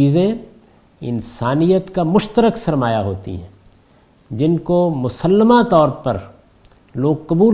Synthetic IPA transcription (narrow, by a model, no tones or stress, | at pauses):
iːzẽ | ɪ̰nsaːnijət̪kamʊʃt̪əɾəksɐɾmaːjaɦoːt̪ḭɦɛ̰̃ː | d͡ʒɪnkomʊsəlːəmãt̪ɔːɾpɐ̰ɾ | loːɡ̚kɐbuː